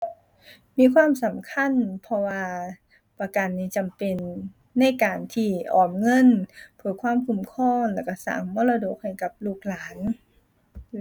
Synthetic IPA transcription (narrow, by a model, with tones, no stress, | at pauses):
miː˧˥˨kʰwaː˧˥˨msa˨˩˦mkʰa˧˥˨npʰɔ˧waː˧ | pa˧ka˨nːiː˧˩t͡ɕa˨mpe˨nː | a˧˥˩jkaː˨˩nt̪ʰiː˧˩ʔɔː˨˩mŋɤ˧˥˨npʰɯː˧˩kʰwaː˧˥˨mkʰu˧˩mkʰɔː˧˥˩ŋlɛː˧˩wka˧˩sa̰ː˨˦ŋmɔː˧˥˨la˧doː˨˩k̚ha˧˩jka˨˩p̚luː˧˩k̚laː˨˦n